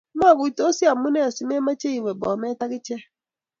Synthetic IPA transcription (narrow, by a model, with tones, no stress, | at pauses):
ma˦˨ɡu˨i˨to˦si˦a˨m˦ʊ˦ne˦˨si˨˦me˦ma˦t͡ʃe˦i˨we˨bɔ˨me˦ta˦kɪ˦t͡ʃe˦